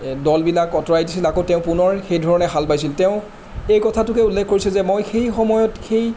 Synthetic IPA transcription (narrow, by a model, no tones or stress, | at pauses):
dɔlbilakɔtɔɹajdisilakotɛʊ̃pʊnɔɹxejdʱɔɹɔnɛxalpajsiltɛʊ̃ | ejkɔtʰatʊkɛulːɛkʰkoɹisɛzɛmojxejxɔmɔjɔtxej